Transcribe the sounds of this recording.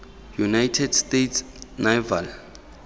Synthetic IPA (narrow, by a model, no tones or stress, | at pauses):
junajtʰɛdstetsnaval